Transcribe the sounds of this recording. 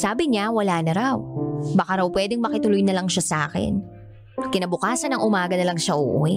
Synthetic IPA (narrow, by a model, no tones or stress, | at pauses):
saːbɪɲawɐlaːnɐɾawbɐkaɾɐwpwɛːd̪ɪŋmɐkɪt̪ʊlʊjnɐlɐŋʃasɐʔaːkɛ̰n | kɪnɐbʊkaːsɐnɐŋʔʊmaːɡɐnɐlɐŋʃaʔuʔuɪ